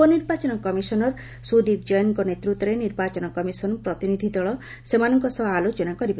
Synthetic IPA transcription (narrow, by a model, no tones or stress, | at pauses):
ɔniɾbat͡ʃɔnɔkɔmisɔnɔɾ | sud̪ib̚d͡ʒɔjɔŋkɔnet̪ɾut̪ːɔɾeniɾbat͡ʃɔnɔkɔmisɔnpɾɔt̪inid̪ʱid̪ɔɭɔ | semanɔŋkɔsɔbaalot͡ʃɔnakɔɾib